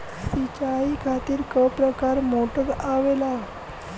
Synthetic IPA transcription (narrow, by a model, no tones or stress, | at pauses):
sit͡ɕaikʰat̪iːɾkəpɾəkaɾmoʈət̪aʋela